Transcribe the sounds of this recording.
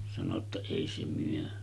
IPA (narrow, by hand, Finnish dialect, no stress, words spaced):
sɑno tːɑ eˑi se myø